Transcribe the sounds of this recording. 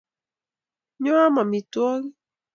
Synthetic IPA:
ɲɔ̃˦a˦ma˨mi˨tɔ˦ɣi˦

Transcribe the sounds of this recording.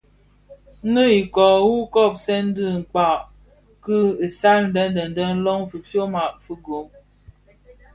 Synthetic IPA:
ŋə˦i˨kɔ˨wu˦kɔ˦˨p̚sɛ˦n̩˦dɨ˦˨ŋ̩˨k͡pa˨ʔ | kɨ˦ə˨sa˦ln̩˦də˦n˦də˨n̩˨də˦n̩˦lɔ˦ŋfɨ˨fjo˦ma˨ʔfɨ˦ɡo˨˦m

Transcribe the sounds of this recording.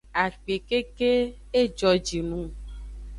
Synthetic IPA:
a˨k͡pe˨ke˦ke˦ | e˦d͡ʒɔ˨d͡ʒi˨nũ˦

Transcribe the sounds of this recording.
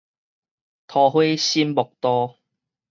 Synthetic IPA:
t̪ʰɔː˨˩ɦe˥jsiː˥npʊ˨k̚t̪ɔː˧

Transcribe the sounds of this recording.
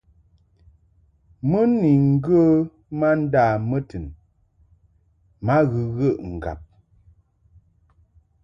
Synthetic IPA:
mə˦ni˨ŋ̩˦ɡə˦ | ma˦n̩˦daː˦˨mə˦tɨ˨n | ma˦ɣɨ˨ɣə˦˨ʔŋ̩˨ɡa̰˨p̚

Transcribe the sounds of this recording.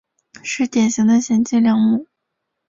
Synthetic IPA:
ʂɻ̩˥˩t̪jɛ˨˩nɕi˧˥ŋd̪ə˧ɕjɛ˧˥nt͡ɕi˥˧ljɑ˥ŋmu˨˩˦

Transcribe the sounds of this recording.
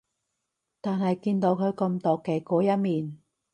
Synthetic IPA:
t̪aː˨nhɐ˨jkiː˧nt̪o˨˧wkʰɵ˨˧ɥkɐ˧mt̪oː˨kɛː˨˧kɔː˨˥jɐ˥t̚miː˨n

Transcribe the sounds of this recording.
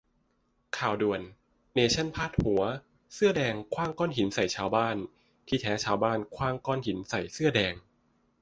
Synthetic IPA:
kʰaː˨˩wdu˨˩ənː | eː˧˩t͡ɕʰa˥˩npʰaː˥˩t̪̚hu˨˩˦ɐ | sɯ˥˩ɐdɛː˧ŋkʰwaː˥˩ŋkɔː˥˩˨nɦi˩˦nsa˨˩jt͡ɕʰaː˧wbaː˥˩n | t̪ʰiː˥˩t̪ʰɛː˨˦˥t͡ɕʰaː˧˥wbaː˥˩nkʰwaː˥˩ŋkɔː˥˩nhi˩˦nsa˨˩jsɯ˥˩ɐdɛː˧ŋ

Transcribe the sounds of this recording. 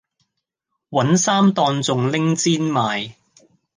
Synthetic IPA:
wɐ˨˥nsaː˥mt̪ɔː˧nt͡sʊ˨ŋlɪ˥ŋt͡siː˥nmaː˨˧j

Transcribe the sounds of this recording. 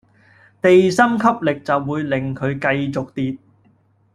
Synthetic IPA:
t̪e˨jsɐ˥mkʰɐ˥p̚lɪ˨k̚t͡sɐ˨wːuː˨˧jlɪ˨˩ŋkʰɵ˨˧ɥkɐ˧jt͡sʊ˨k̚t̪iː˨t̪̚

